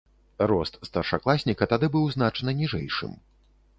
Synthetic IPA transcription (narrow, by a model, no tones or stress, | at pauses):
ɾɔst̪st̪ɐrʂa̰klˠasʲnʲikɐt̪ad̪ɨbɨwznat͡ʂɐnɐnʲiʐɛ̰jʂɨ̰m